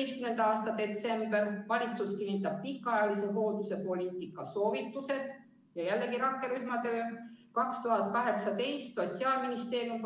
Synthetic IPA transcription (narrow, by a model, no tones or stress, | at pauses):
skymnend̪ɑɑːst̪ɑd̪e̞t̪se̞mb̥e̞rvɑɾit̪suskinːit̪ːˑɑb̥̚pikːˑɑjɑliseɦo̞ːud̪use̞po̞lʲiːt̪ːˑikːˑɑso̞ːvit̪ːˑuse̞d̪̥ | jɑjælːe̞ɡiɾɑkːˑe̞ɾyhmɑt̪øːkɑkst̪uɦɑt̪̚kɑɦe̞ksɑt̪e̞jst̪so̞t̪ʲsiɑːlminist̪e̞ːɾium